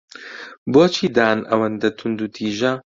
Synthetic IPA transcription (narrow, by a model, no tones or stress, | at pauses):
boːt͡ʃʰiːd̪aːnɐ̰wɐnd̪ɐt̪ʰund̪ut̪ʰiːʒɐ